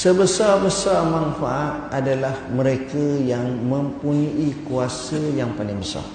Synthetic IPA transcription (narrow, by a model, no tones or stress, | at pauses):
səbəsarbəsarmãnfaʔat̪̚adalahmə̃ɾekajaŋmə̃mpuɲuʔikuasəjaŋpalɪŋbəsa̰r